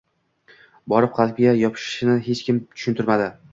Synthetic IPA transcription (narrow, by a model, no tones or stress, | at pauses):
bɒɾɪp̚qʰɑlˠpɡʲajɒpʰɪ̥ʃɪʃnɪɦet͡ʃkʲɪmt̪ʰʊ̥ʃʊnt̪ʊɾmad̪ɪ